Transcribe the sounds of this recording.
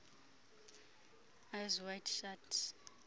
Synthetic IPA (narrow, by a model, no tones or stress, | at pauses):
ajzwajtʃat